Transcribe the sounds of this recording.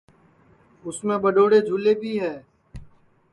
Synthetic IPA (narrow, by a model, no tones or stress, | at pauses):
ʊsmẽbəɖoːɽed͡ʒʱʊlebʱiːɦɛː